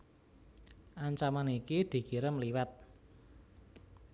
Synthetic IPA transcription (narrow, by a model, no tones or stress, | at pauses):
ʔaɲt͡ʃamanikid̪̥i̤ɡ̥i̤ɾəmliwat̪̚